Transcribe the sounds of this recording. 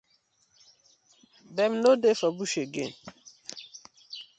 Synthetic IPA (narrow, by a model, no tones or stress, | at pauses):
bɛmnodefabuɕeɡḛn